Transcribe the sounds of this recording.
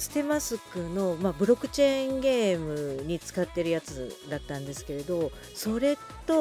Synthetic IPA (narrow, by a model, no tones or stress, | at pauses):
sɨ̥t̪e̞masɨkɯ̟no̞mabɯ̟ɾo̞kːɯ̟̥t͡ɕe̞ĩŋɡe̞ːmɯ̟ɲ̟it͡sɨ̥kat̪ːe̞ɾɯ̟jat͡sɨd̪at̪ːãnd̪e̞sɨ̥ke̞ɾe̞d̪o̞ | so̞ɾe̞ | t̪o̞